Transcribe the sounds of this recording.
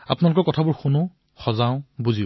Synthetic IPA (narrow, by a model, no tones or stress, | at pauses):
a̰pʊnalʊkɔɹkɔtʰabʊɹxunʊ | xɔzaʊ̃buzi